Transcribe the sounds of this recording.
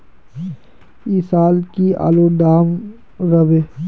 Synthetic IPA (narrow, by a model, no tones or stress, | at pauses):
isaːlkia̰ːloɖ̪aːm | ɾɐʋe